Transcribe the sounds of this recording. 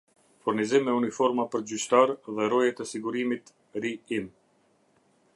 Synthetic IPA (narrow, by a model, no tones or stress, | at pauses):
fuɾnizimɛunifɔɾmapəɾd͡ʑyt͡ɕt̪aɾðɛɾɔjɛt̪əsiɡuɾimit̪ | ɾiim